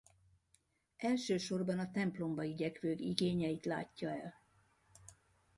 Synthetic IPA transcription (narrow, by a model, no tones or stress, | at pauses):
ɛlʃøːʃo̞rbɒnɒt̪ɛmplo̞mbɒiɟɛkʋøːɡḭɡeːɲɛjit̪la̰ːcːɒɛl